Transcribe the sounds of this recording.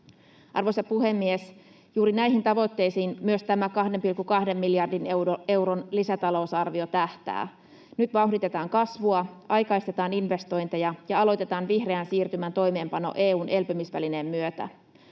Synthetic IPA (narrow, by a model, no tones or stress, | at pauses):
ʔɑ̰rʋojsɑpuhe̞mːies | juːɾinæjɦint̪ɑʋo̞t̪ːe̞jsiːnmyøst̪æmækɑhdempilkːukɑhde̞mːiljɑrdinewoe̞wronlisæt̪ɑlo̞usɑrʋio̞t̪æht̪æ̰ː | nyt̪ʋɑuɦdit̪et̪ɑːŋkɑsʋuɑʔɑjkɑist̪e̞t̪ɑːninʋe̞st̪o̞jnt̪ejɑjɑɑlo̞jt̪e̞t̪ɑːnʋihre̞ænsiːrt̪ymænt̪o̞jme̞ːmpɑno̞̰ʔeːuːnʔe̞lpømisʋæline̞mːyøt̪æ̰